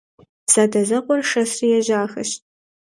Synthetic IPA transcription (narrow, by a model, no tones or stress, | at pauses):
saːdɐzɐqʷʼɔrʂɐsrijɛʒaːxɐ̰ʃt